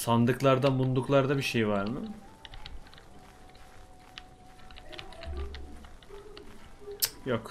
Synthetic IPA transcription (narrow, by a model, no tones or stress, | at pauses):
sand̪ɯklˠaɾd̪amund̪uklˠaɾd̪abiʃe̞jvaɾmɯ | jakʰ